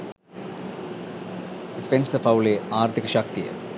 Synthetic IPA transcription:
spensɐfɐwleaːrt̪ʰikɐʃak̚t̪ijɐ̰

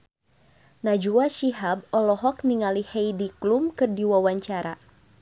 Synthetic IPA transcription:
nad͡ʒuaʃiɦab̚ɔlɔɦɔk̚niŋalihɛjdiklumkɨrdiwawaɲt͡ʃaɾa

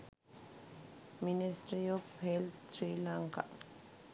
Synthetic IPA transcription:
minisʈɾiɔfhelsɾilaŋka̰

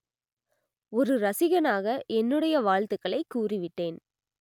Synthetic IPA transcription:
ɔɾɯɾɐsɪɣɐnaːɣɐʔɛnːɯɽɐjɐʋaːɻt̪ɯkːɐɭɐɪkːuːrɪʋɪʈːeːn

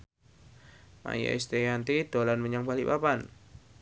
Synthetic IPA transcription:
ma̰ja̰ist̪ejant̪id̥olanməɲaŋbalipapan

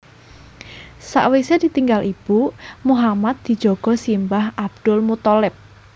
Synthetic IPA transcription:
sa̰ʔwised̪̥i̤t̪iŋɡalʔib̥umuɦamat̪̚d̪̥i̤̥d͡ʒ̥oɡ̥ɔ̤simbaɦab̚d̪̥ʊlmut̪ɔlɪp̚

